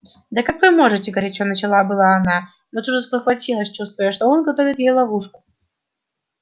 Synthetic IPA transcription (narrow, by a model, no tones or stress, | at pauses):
d̪əkakvɨmo̞ʐɨtʲɪɡəɾʲɪt͡ɕonət͡ɕɪlˠabɨlˠaːna | not̪uʐəspəxvɐtʲilˠəsʲt͡ɕust̪vʊjəʂt̪oonɡɐt̪o̞vʲɪt̪jejlˠɐvuʂkʊ̥